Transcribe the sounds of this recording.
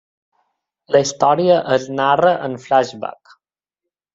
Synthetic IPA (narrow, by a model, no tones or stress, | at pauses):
ləist̪ɔɾiəʔəznarəʔənflaʒba̰k